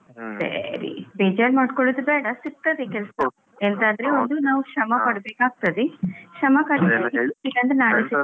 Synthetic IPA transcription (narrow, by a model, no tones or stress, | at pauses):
sɐ̰ɾḭbeːd͡ʒaːɾmaːɖkoɭud̪ubɛːɽɐsik̚t̪ɐd̪ekɛlsɐ | end̪aːnd̪ɐɾeond̪unaːʋukɐmɐpɐɽɐbeːkaːɡ̚t̪ɐd̪eʃɐmɐkɐɽiɐɡesiʈiɡɐnd̪ɐnaːɭisi